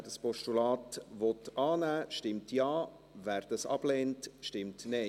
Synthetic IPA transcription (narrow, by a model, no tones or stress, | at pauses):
dɑspɔʃtulɑːtʋɔt̪ʔɑːnæːʃtɪmtjɑː | væːɾd̥ɑsɑ̰b̥leːntʃtɪmtnɛ